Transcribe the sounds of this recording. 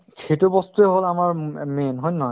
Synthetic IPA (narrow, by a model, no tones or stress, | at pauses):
kʰejtubɔstuɛɦolamaɹmenɦɔjnɔ